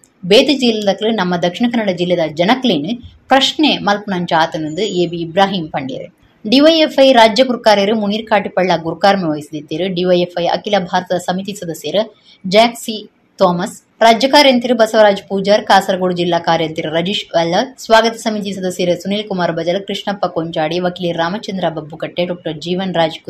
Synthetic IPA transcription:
beːt̪ɐd͡ʒilːɐd̪ɐklɨnɐmːɐd̪ɐkʂiɳɐkɐnːɐɽɐd͡ʒilːɐd̪ɐd͡ʒɐnɐkleːnɨpɾɐʃɳemɐlpunɐɲt͡ʃaːt̪ɐnɐnd̪ɨeːbiːbɾaːɦiːmpɐɳɖḭɾḛ | ɖiʋɐjefɐjɾaːd͡ʒjɐkuɾkaːɾejɐɾɨmuniːɾkaːʈipɐɭːɐɡuɾukaːɾmeʋɐjsd̪it̪ːiɾɨɖiʋɐjefɐjɐ̰kilɐbʱaːɾɐt̪ɐd̪ɐsɐmit̪isɐd̪ɐsjɐɾɐ | d͡ʒaːksi | t̪oːmɐs | ɾaːd͡ʒjɐkaːɾjɐnt̪iɾɨbɐsɐʋɐɾaːd͡ʒpuːd͡ʒɐɾkaːsɐɾɐɡoɽud͡ʒilːaːkaːɾjɐnt̪iɾɾɐd͡ʒiːʃʋɐlːɐsʋaːɡɐt̪ɐsɐmit̪isɐd̪ɐsjɐɾɨsuniːlkumaːɾbɐd͡ʒɐlɐkɾɪʂɳɐpːɐkoːɲt͡ʃaːɽiʋɐkiliːɾːaːmɐt͡ʃɐnd̪ɾabɐbːukɐʈːeɖoːk̚ʈɐɾd͡ʒiːʋɐnɾaːd͡ʒk

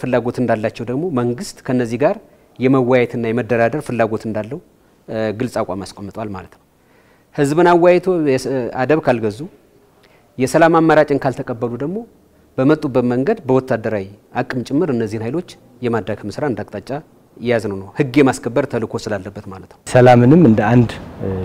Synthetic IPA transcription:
fɨlːaɡo̞t̪ɨnd̪alːat͡ʃːɛwd̪əɡmo̞məŋɡɨst̪kʰənːəzːihɡaɾ | jɛməwːajɛt̪ʰɨnːajɛməd̪ːəɾad̪əɾfɨlːaɡo̞t̪ɨnd̪alːəhu | ɡɨlsʼakʷʼamaskʼomːɨt̪ʼwalmalət̪nəw | hɨzbɨnawːajɛt̪ʰoɛa̰d̪əβkʰalɡəzu | jɛsəlamamːəɾat͡ʃʼɪnkʰalt̪ʰəkʼəbːəlud̪əɡmo̞ | b̥əmət̪ʼːubːət̪məŋɡəd̪bəwɔt̪ʰːad̪əɾawiʔakʼːɨmt͡ʃʼɪmːɨɾɨnːəzːihɨnhajlo̞t͡ʃː | jɛmad̪ɾakmɨsɾaɨnd̪akʼt̪ʼat͡ʃʼːa | jɪjaznəwnəwhɨɡːjɛmaskʰəbːəɾt̪ʰəlɨkʰo̞sɨlalːəbːət̪malət̪nəwsəlamɨnɨmɨnd̪əand̪

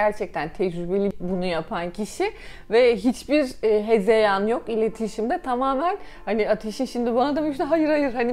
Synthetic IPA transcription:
æɾt͡ʃʰɛc̚t̪ʰænt̪ʰɛd͡ʒɾybe̞lʲibunujapʰancʰiʃi | vɛɦit͡ʃbiɾɦezejanjo̞kilʲe̞t̪ʰiʃimd̪ɛt̪ʰamaːmæn | haniat̪ʰeʃinʃimd̪ibanad̪amnɦajɯɾajɯɾhani

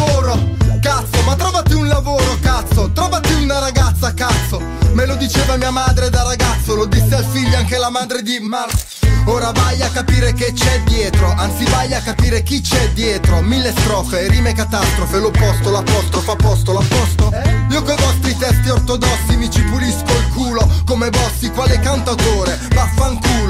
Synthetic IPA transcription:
oːɾokat̪sːomat̪ːɾɔːvat̪iunlavoːɾotkat̪sːot̪ɾɔːvat̪iunaɾaɡat̪sːakat̪sːo | melod̪it͡ʃeːvamiːamaːd̪ɾed̪arːaɡat̪sːolod̪isːealfiʎːoaŋk̟elamaːd̪ɾed̪ima | oːɾavajakːapiːɾek̟et͡ʃːɛd̪jɛːt̪ɾoʔant̪sivajakːapiːɾek̟it͡ʃːɛd̪jɛːt̪ɾomilːest̪ɾɔːfeɾimekat̪ast̪ɾofelopɔst̪olapːɔst̪ɾofapːɔst̪olapːɔst̪oiːokojvɔst̪ɾit̪ɛst̪iort̪od̪ɔsːimit͡ʃipuliskolkuːlokomebɔst̪ikwaːlekant̪at̪oːɾe | mafːaŋkuːl

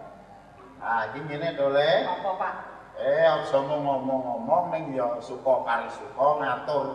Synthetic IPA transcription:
aɡiminedole | eɔksɔmɔŋɔmɔŋːɔmɔŋnɪŋjɔsukɔkaɾisukɔŋat̪ʊr

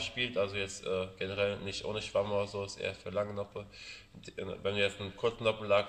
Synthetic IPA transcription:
ʃpiːltʔalzojɛt͡stʔɛːɡ̥enəʁɛlnɪçtʔo̰ːnəʃv̥amodɐzoːɪsʔḛːɐfyːɐlaŋənɔpə | vɛnduːjɛt͡stnkʰʊɐt͡snɔpm̩laːk

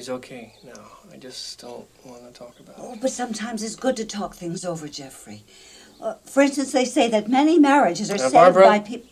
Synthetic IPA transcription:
izoʊkʰeɪnoʊaɪd͡ʒʌststʰɛt̚ | wɑ̃nətʰɔkəbaoʊbʌtsʌ̃mtʰãɪ̃mzɨtsɡ̥ʊd̚tɨtʰɔk̚θɪ̃ŋzoʊvə˞d͡ʒɛfɹḭ | ʔʌfə˞ɪ̃nstɨ̃nsðeɪseɪðɨt̚mɛnimɛɹɨd͡ʒɨzə˞sevaɪpʰi

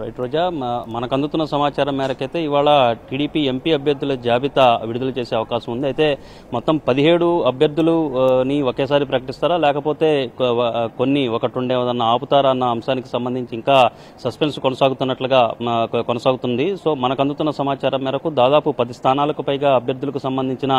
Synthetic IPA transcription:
ɾɐjʈɾoːd͡ʒaːmɐnɐkɐnd̪ut̪unːɐsɐmaːt͡ʃaːɾɐmːɛːɾɐkɐjt̪e̞ːiʋaːɭɐʈiːɽiːpiːe̞mpiːɐbʱjɐɾd̪ʱːulɐd͡ʒaːbit̪ɐʋiɽud̪ulɐt͡ʃe̞ːse̞ːɐʋɐkaːʃɐmund̪iɐjt̪e̞ː | mɔt̪ːɐmpɐd̪iɦe̞ːɽuɐbʱjɐɾd̪ʱːuluniokeːsaːɾipɾɐkɐʈist̪aːɾaːlɛːkɐpo̞ːt̪e̞ː | konːiokɐʈuɳɖeːʋɐd̪ɐnːɐaːput̪aːɾaɐnːɐːmʃaːniki̥sɐmbɐnd̪iɲt͡ʃiːŋkaː | sɐspe̞nskonɐsaːɡut̪unːɐʈlɐɡaːkonɐsaːɡut̪und̪iso̞ːmɐnɐkɐnd̪ut̪unːɐsɐmaːt͡ʃaːɾɐmːɛːɾɐkud̪aːd̪aːpupɐd̪ist̪ʰaːnaːlɐkupɐjɡaːɐbʱjɐɾd̪ːulɐkusɐmbɐnd̪ʱiɲt͡ʃinɐ

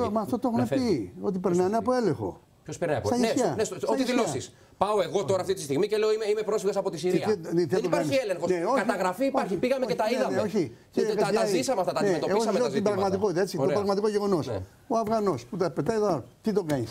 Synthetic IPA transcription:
mɐft̪ot̪oexunepio̞t̪̬ipe̞ɾnɐneɐpoe̞lẽxo̞̰ | pçospeɾnɐpst̪ɐjisçɐnesoiðilosis | pɐoeɣot̪o̞ɾɐft̪it̪ist̪iɣmiceleoimeimepɾo̞sfiɣesɐpot̪isiɾiɐθelnopaɾniieleŋxoneoçkɐt̪ɐɣɾɐfiːpaɾçipiɣɐmeet̪ɐiðɐneoçi | cekɐɐisɐmeɐft̪ɐt̪ɐnemet̪oeɣoseoibɾɐɣmɐt̪̬iko̞it̪eet͡sit̪opɾɐɣmɐt̪ikoʝeɣo̞no̞s | oɐvɣɐno̞sput̪ɐpet̪ɐjðɐt̪it̪o̞kɐɲis

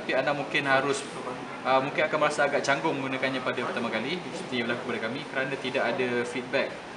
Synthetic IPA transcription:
apianãʔmũŋkɪnɦaɾʊs | əmũŋkɪnakanməɾasaːɡaʔt͡ʃaŋɡʊŋməŋɡunãkanɲãpadapərt̪amãkalisət̪iɲabəlakukəpadakamĩkəɾanãt̪idaʔadafit̪̚bɛk̚

